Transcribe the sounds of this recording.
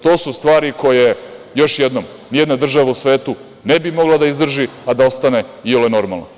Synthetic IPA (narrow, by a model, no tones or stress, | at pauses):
t̪o̞ːsust̪ʋaːɾiko̞jejo̞ʃjed̪nom | nijed̪nad̪r̩ʒaʋausʋeːt̪u | nebimo̞ɡlˠad̪aizd̪r̩ʒiad̪ao̞st̪ane̞ioloeno̞ɾma̰lˠna̰